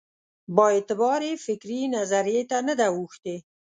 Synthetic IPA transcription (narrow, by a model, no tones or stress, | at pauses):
bəet̪ɪbɑɾefɪkɾinazaɾijet̪anəd̪awuxt̪e